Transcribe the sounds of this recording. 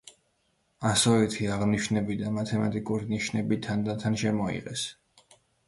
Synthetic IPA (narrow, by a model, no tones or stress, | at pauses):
asɔɛt̪ʰiaʁniʃnɛbid̪amat̪ʰɛmat̪ʼikʼuɾiniʃnɛbit̪ʰand̪at̪ʰanʃɛmɔḭʁɛ̰s